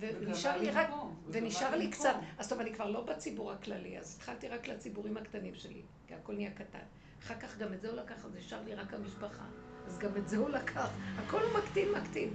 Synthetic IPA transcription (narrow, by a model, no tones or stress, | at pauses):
veniʃaʁliʁakveniʃaʁlikt͡sat̪azt̪ovanikvaʁlo̞bat͡sibuʁhaklalia̰zit̪χalt̪iʁaklat͡sibuʁimhakt̪animʃḛlḭ | kiako̞lnijakata̰n | aχaʁkaχɡametzeulakaχazniʃaʁliʁakhamiʃpaχa̰azɡametzeulakʰaχhako̞lumaktinmakt̪in